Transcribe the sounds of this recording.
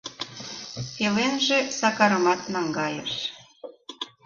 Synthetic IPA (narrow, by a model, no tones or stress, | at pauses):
pelenʒĕsɑkɑɾɤ̆mɑt̪nɑŋɡɑjḛʃ